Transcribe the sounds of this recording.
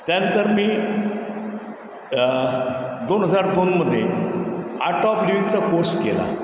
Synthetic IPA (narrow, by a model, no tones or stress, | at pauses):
t̪jant̪əɾmiː | d̪onɦəd͡zaɾd̪onməd̪ʱːje | a̰ʈɔpluit͡sakoskḛla̰